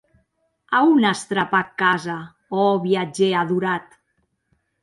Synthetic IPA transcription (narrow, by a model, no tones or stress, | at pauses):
aunast̪ɾapakːaza | ɔβiad͡ʒeaðuɾat̪